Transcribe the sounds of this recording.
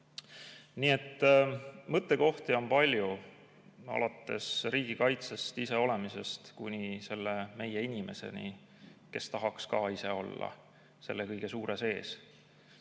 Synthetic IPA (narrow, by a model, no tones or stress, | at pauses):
nie̞t̪ːmɤt̪ːˑe̞ko̞ht̪io̞npɑlʲju | ɑ̰lɑt̪ːˑe̞sɾiːɡ̥ikɑjt̪se̞st̪ise̞o̞le̞mise̞st̪kunʲise̞lːeme̞je̞inʲimʔe̞se̞̰nḭ | ke̞st̪ɑɦɑkskɑːise̞o̞lːɑ̰ | se̞lːe̞kɤjɡ̥e̞suːɾe̞se̞ːs